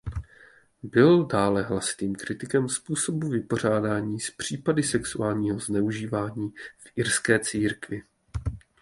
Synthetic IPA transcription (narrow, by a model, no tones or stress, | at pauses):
bɪldaːlɛɦlasɪ̥t̪iːmkɾɪt̪ɪkɛmspuːso̞buvɪpo̞r̝aːdaːɲiːspr̝̥iːpadɪsɛksuaːlɲiːɦo̞znɛuʒiːvaːɲiːfʔɪɾskɛːt͡siːɾkvɪ